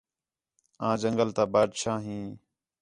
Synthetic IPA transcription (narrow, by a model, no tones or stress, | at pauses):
ãːd͡ʒəŋɡəlt̪aːbaːd̪ʃaːɦĩː